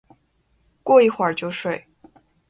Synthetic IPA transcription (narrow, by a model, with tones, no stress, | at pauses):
kwɔ˥˧i˥˩xwa˨˩˥t͡ɕjo˥˧ʊʂwe˥˩ɪ